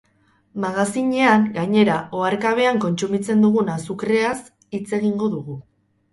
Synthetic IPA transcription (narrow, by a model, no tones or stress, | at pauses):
maɣasiɲe̞aŋɡaɲe̞ɾaʔo̞aɾkaβ̞e̞aŋko̞nt͡sumit͡se̞nd̪uɣ̞unasukɾe̞as | it͡se̞ɣ̞iŋɡo̞ðuɣu